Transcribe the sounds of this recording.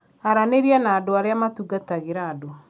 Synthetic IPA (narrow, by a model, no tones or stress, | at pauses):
aɾaneɾiɛnaːdoaɾeamatuɡataɣeɾaːdo